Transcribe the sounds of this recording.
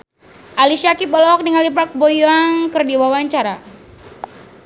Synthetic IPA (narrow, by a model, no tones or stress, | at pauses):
ʔalisiakipɔlɔk̚niŋalipak̚bojaŋkɨrdiwawaɲt͡ʃaɾa